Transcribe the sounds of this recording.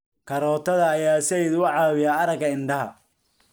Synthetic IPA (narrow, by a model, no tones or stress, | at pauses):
kʰɐɾɔːt̪ʰɐðɐːjaːsɛjɪðʊʕɑːwɪjaːɐɾɐɡɐɪnɖɐɦɐ̰